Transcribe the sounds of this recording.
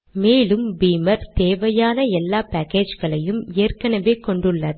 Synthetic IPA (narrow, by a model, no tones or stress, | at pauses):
meːlɯmbiːmɐɾt̪eːʋɐjaːnɐɛlːaːpɐːkeːd͡ʒɣɐɭɐjɯmeːrkɐnɐʋeːkɔɳɖɯɭːɐ